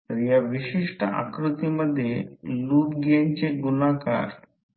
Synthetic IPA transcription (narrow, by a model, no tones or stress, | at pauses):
ɾjaʋiɕiʂʈəa̰kɾut̪iməd̪ʱːjeluːʈ̪ɡaɲt͡ɕeɡunaka̰ɾ